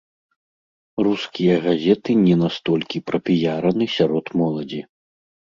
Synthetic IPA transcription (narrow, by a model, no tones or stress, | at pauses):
ruskʲijɐɣazʲɛt̪ɨnʲɛnast̪ɔlʲkʲipɾɐpʲijaɾɐnɨsʲaɾɔt̪mɔlˠɐd͡zʲi